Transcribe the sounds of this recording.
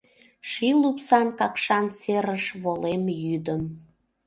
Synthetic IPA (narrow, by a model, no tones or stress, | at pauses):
ʃilupsɑnkɑkʃɑnseɾəʃβolemjyd̪əm